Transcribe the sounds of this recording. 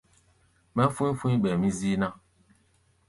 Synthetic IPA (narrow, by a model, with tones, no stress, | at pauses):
mɛ̃˦fũ˦fũ˦ĩ˦ɓɛ˨mĩ˦zi˦nã˦